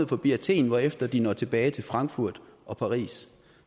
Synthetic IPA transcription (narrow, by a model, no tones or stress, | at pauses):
ð̩ˠfɒ̽b̥iæt͡sʰe̝̰ːnʋɒefd̥ɐd̥inɒ̰t͡sʰe̝b̥ɛːɪt͡sʰe̝lfʁɑ̈ŋɡ̥fuɐ̰d̥ʔɒ̽pʰɑ̈ʁḭːs